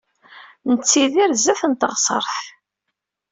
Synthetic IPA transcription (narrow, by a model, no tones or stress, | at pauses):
nət͡sːiðiɾzæθənt̪əʁsˤə̰ɾˤħ